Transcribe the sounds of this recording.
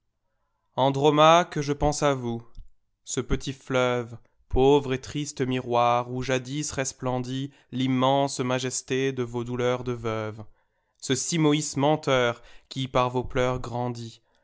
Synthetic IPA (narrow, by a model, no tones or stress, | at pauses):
ɑ̃d̪ʁɔmakəʒəpɑ̃savu | səpət̪ʰiflœv | pʰovʁet̪χist̪əmiʁwaʁuʒad̪isʁɛsplɑ̃d̪i | limːɑ̃smaʒɛst̪ed̪əvod̪ulœʁd̪əvœv | səsimɔismɑ̃t̪œʁkʲipaʁvoplœʁɡʁɑ̃d̪i